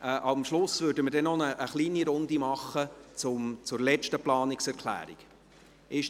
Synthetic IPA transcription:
ɛːʔɑmʃlʊsvøːɾdəməɾdɛnːɔnəʔːχliːniɾʊnd̪imɑχət͡sʊmt͡sʊɾlɛt͡ʃtəplɑːnɪksɛɾkʰlæ̰ːɾḭɡ̥ | ɪʃ

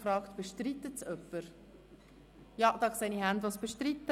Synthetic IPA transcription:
fɾɑːkt̪b̥eʃtɾit̪ːət͡sœpːəɾ | jɑd̥̪ɑksɛnihænd̪vɑsb̥eʃtɾit̪ːə

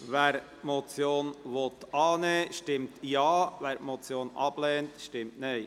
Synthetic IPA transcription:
ʋɛːɾ | mɔt͡sjoːnʋɔt̪ɑːnɛːʃtɪmtjɑːʋæːɾmot͡sjoːnɑb̥lɛːntʃtɪmtnɛɪ

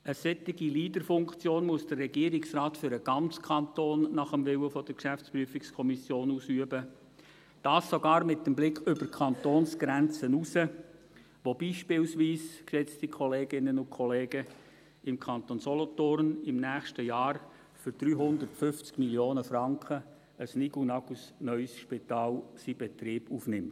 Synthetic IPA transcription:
əsɛtːɪɡiliːdəɾfʊŋkt͡sjoːnmuəsd̥ərːɛɡiəɾɪksrɑːtfʏɾəɡ̥ɑnt͡skʰɑntoːnːɑχəmvɪwəfɔd̥əɾkʃæft͡spryəfɪkskʰɔmisjoːnuːsyəbə | d̥ɑːsːoɡɑːɾmɪt̚dəmblɪkʰʏb̥əɾkʰɑntoːnsɡ̥ɾɛnt͡sənusə | ʋobiːʃpɪlsʋiːskʃɛt͡stikʰɔleːɡɪnənʊnkʰɔleːɡ̥ə | ɪmkʰɑnt̪onsɔlɔtʊɾnɪmnæːχʃtəjɑːɾ | fʏɾd̥ɾyːɦʊnd̪əɾtfʏft͡skmiljoːnəfrɑŋkχə | əsniɡunɑɡusnœʏsʃpitɑːlsibɛtɾiːb̥uːfnɪmt

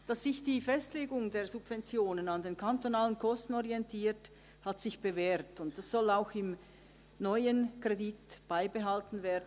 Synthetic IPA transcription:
d̥ɑsːɪçd̥iːfɛstleːɡʊŋdeːɐzub̥vɛnt͡sjoːnənandeːnkʰantonaːlənkʰɔstn̩ɔʁiɛntʰiːt | hatsɪçb̥eveːɾtʊnt̚d̥asz̥ɔlaʊxɪm | nɔʏənkʁ̥editb̥aɪbəɦaltn̩veːɐdn

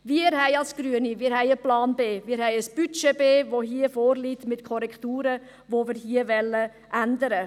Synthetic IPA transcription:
viːəɾhɛɪɑlsɡ̥ɾyənimiːɾhɛɪəplɑːnbeːmiːɾhɛɪəsb̥yt͡ʃebeːvoɦiːəfoːɾliːtmɪtkʰɔɾɛktuːɾə | voviːɾhiːəvɛlːə | ʔændəɾə

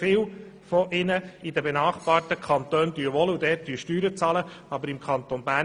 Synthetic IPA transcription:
fɪːw | fɔʔɪnəidəbenɑːχb̥ɑːɾtəkʰɑnt̪øːnd̥̪yəʋɔludɛːt̚d̥yəʃtyːɾət͡sɑləɑbəɾɪmkʰɑnt̪onbæː

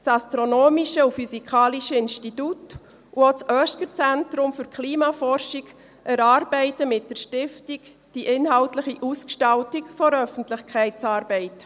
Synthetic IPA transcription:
t͡sɑstɾonoːmiʃəufysikʰɑːliʃəɪnʃtitut | uot͡sʔœːʃkəɾt͡sɛntɾʊmfyɾkʰliːmɑfɔrʃiɡ | ʔɛɾɑːɾbɛɪtəmɪt̚d̥əɾʃtɪftik | d̥iʔɪnɦɑltlɪχiʔuskʃtɑltikfɔɾœfən̩tlɪχkʰɛɪtt͡sɑːɾbɛɪt

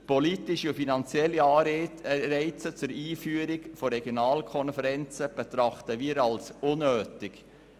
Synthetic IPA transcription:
pɔlitɪʃiʊfinɑnt͡sjɛlːiɑːɾɛɪt͡sət͡sʊɾiːfyːəɾɪɡfoɾɛɡjonɑːlkʰɔnfɛɾɛnt͡səb̥ɛt̪ɾɑχt̪əviːɾɑlsʊnːøːtɪɡ

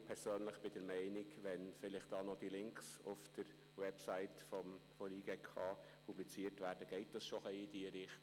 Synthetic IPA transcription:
pʰɛɾsøːnləχb̥ɪd̥əɾmɛɪnɪkʋɛnfɪlɪχt̚d̥ɑːnɔd̥ilɪŋksʊfd̥əɾ | wɛpsaɪtfɔmfɔɾiːɡɛkʰɑː | pʰublit͡siːətʋæːɾd̥əɡ̥ɛɪt̚d̥ɑsʃɔχɛɪidiəɾɪχt

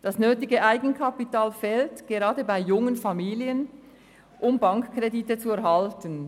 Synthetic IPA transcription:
d̥asnøːtɪɡəʔaɪɡn̩kʰapitaːlfɛltɡ̥eʁɑːdəbaɪjʊŋənfamiːliən | ʔʊmbaŋkkreditət͡suɛɐhaltən

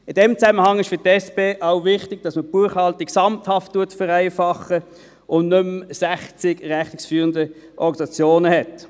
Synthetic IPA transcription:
ɪdɛmt͡sæməhɑŋɪʃfʏtɛspeːʔaʊvɪχtɪɡ̥̚d̥ɑsməb̥uːəχhɑltɪksɑmthɑftːuəɐtfəʁæɪfɑχə | ʊnnɵmsæχt͡sɪɡʁæχtɪksfyːʁəndə | ʔɔ̰ʁɡɑnsɑt͡sjoːnəhɛt

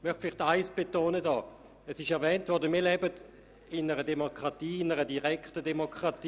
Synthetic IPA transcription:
mœχtfɪlɪχtaɪsb̥etoːnədɔː | ɛsɪʃɛɐvɛːntvɔɐdəmiːɐlɛbəd | ɪnəʁədeɛmokʁɑtiːɪnəʁədiʁɛktədemokʁɑtː

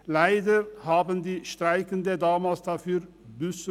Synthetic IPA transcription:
laɪdəhaːbənd̪iːʃtʁaɪkənd̪ədaːmaːlsd̪̥afyːʁ | bʏs

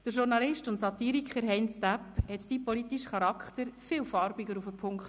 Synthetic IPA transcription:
d̥əɾʃuɾnɑlɪʃtʊntsɑt̪iːɾikʰχəɾɦɛjnstæphɛt̪d̥iːpɔlit̪iʃχɑɾɑkʰχt̪əɾfɪːwfɑɾbiɡəɾufəpʰʊŋkχt

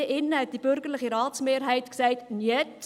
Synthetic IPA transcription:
əʔɪnːəhɛt̚d̥ib̥ʏɾɡəɾlɪχiɾɑːtsmeːɾɦɛɪtksæɪtniət

